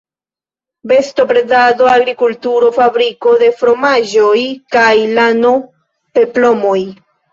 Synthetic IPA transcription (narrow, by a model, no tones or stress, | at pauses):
be̞sto̞pɾe̞dado̞aɡɾikultuɾo̞fabɾiko̞de̞fɾo̞maʒo̞jkajlano | pe̞plo̞mo̞j